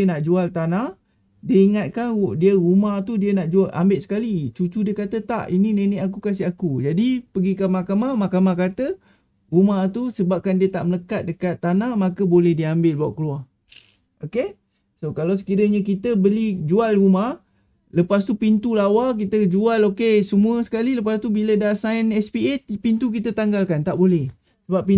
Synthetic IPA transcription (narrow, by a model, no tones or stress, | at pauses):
ənaʔd͡ʒualt̪anah | diəiŋat̪̚kandiəɣumaht̪udiənaʔd͡ʒuala̰mbɪʔ̪sə̥kalit͡ʃut͡ʃudiəkat̪ət̪a̰ʔinineneʔak̬ukas̬ɪakud͡ʒadipəɡikanmakamamakamakat̪ə | ɾumaht̪usəbap̚kandiət̪a̰ʔmələkat̪̚dəkat̪ːanahmakəbolɛhdiambɪlbaʔkəluah | ʔoke | sokalaws̬ə̥kiɾəɲəkit̪əbəlid͡ʒualɾumah | ləpast̪upint̪ulawak̬it̪əd͡ʒualokesəmũəsə̥kaliləp̬ast̪ubilədasajnɛspiɛt̪pint̪uk̬it̪ət̪aŋɡalkant̪aʔbolɛh | səbap̚ːi